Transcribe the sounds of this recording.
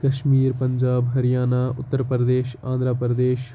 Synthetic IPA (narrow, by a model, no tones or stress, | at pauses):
kɐʃmiːɾpɐɲd͡ʒaːbɦɐɾijaːnaːʊt̪ːəɾpəɾəd̪eːʃãːnd̪ɾaːpɾəd̪eːʃ